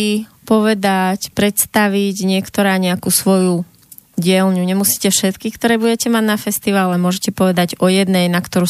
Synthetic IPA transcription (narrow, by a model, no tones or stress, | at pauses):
i | pɔʋɛd̪acpɾɛt̪st̪aʋiɟɲɪɛkt̪ɔɾaːɲɛakuːsʋɔju | ɟɪɛlɲuɲɛmusi̥ːcɛfʃɛt̪kikt̪ɔɾɛːbuɟɛcɛmaɟnafɛst̪iʋaːlɛmʊɔʒɛcɛpɔʋɛd̪aɟɔjɛd̪nɛjnakt̪ɔɾuː